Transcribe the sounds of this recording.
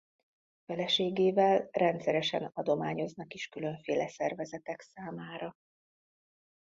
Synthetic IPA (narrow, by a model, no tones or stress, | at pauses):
fɛlɛʃeːɡeːvɛlrɛnt̪sɛɾɛʃɛ̰nɒd̪o̞maːɲo̞znɒkiʃkylø̞ɱfeːlɛsɛrvɛzɛt̪ɛksaːmaːɾɒ